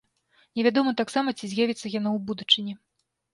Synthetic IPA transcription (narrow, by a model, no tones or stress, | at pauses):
nʲɛvʲad̪ɔmɐt̪aksamɐt͡sʲizʲjavʲit̪sːɐjanawbud̪ut͡ʂɨnʲi